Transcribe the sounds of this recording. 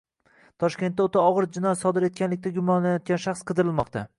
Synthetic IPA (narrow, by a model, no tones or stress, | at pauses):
t̪ʰɒʃkʲe̞nt̪ːaot̪ʰaɒʁɨɾd͡ʒɪnɒjsɒd̪ɪɾe̞t̪̚kʲanlɪk̚ʲt̪aɡʲʊmɒnlajɒt̪̚ɡʲanʃaχsqʰɨd̪ɪɾɪlˠmɒqt̪ʰa